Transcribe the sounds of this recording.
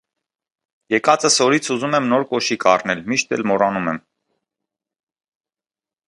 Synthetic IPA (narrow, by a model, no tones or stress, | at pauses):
jɛkɑt͡səsɔɾit͡sʰuzumɛmnɔɾkɔʃikʰɑrnɛlmiʃt̪ɛ̰lmɔrɑnumɛm